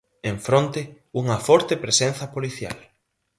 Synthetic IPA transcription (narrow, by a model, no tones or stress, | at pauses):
eɱfɾõnt̪ɪ | uŋɐfɔɾt̪epɾesẽn̟θɐpoliθja̰l